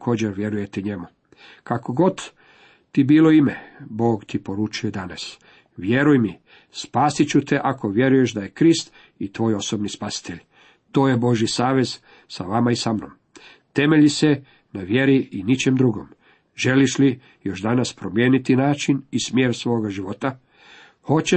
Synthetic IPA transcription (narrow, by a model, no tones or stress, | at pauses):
kʰo̞ːd͡ʑe̞ɾʋje̞ɾuje̞t̪eɲe̞mu | kakoɡo̞d̪ | t̪ibiːlo̞imebo̞ːɡt̪ipo̞ɾut͡ʃujo̞d̪anas | ʋje̞ɾujmi | spaːsit͡ɕut̪eʔako̞ʋje̞ɾujeʃd̪aje̞kɾist̪ | it̪ʋo̞ːjo̞sobnispasi̥t̪e̞ʎ | t̪o̞ːjebo̞ʒjisaːʋe̞z | saʋamaisamno̞̰m | t̪e̞me̞ʎise | naʋje̞ɾiinit͡ʃe̞md̪ɾuɡo̞̰m | ʒe̞liʃli | jo̞ʃd̪anaspɾo̞mje̞ːnit̪inaːt͡ʃinismje̞ːɾsʋo̞ːɡaʒiʋo̞t̪a | ho̞t͡ɕe